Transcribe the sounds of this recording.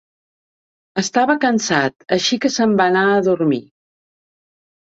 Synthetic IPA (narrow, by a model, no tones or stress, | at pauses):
əst̪aβəkənsat̪əʃikəsəmbanaəðuɾmi